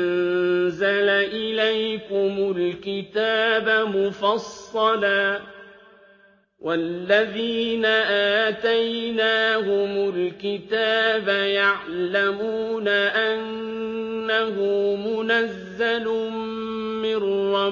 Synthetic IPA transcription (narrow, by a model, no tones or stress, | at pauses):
nzalaʔɪlajkʊmʊlkɪt̪aːbamʊfɑsˤːɑlaː | wʔalːaðiːnaʔaːt̪ajnaːhʊmʊlkɪt̪aːbajaʕlamuːnaʔanː | ahʊmʊnazːal | mɪrˤːɑ